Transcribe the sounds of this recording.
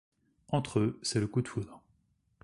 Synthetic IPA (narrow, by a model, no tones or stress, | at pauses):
ɑ̃t̪χøsɛləkud̪fud̪ʁ